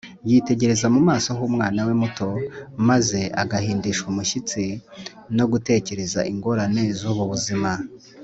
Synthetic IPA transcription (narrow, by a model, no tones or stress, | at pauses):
jiːte̞ɟe̞ɾe̞zamumaːso̞ɦuːmŋaːnawe̞muto̞maze̞aɡahiːndiʃumuʃit͡si | no̞ɡute̞ːce̞ɾe̞za̰ʔiŋɡo̞ɾane̞zuːβuβuzima